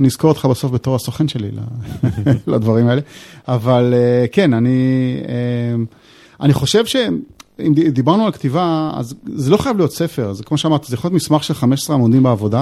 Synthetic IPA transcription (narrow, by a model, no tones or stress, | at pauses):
niz̥ko̞ot̪χabaso̞fbet̪o̞ʁasoχenʃe̞lḭla̰ | lad̪vaʁimaeleavaleke̞naniem | aniχo̞ʃe̞vʃe̞imd̪ibaʁnualkt̪ivaa̰zzelo̞χajavlijo̞t̪se̞fe̞ʁzekmo̞ʃeamaʁt̪izejaχojotmismaχʃe̞lχameʃe̥sʁeamod̪imbeavo̞d̪a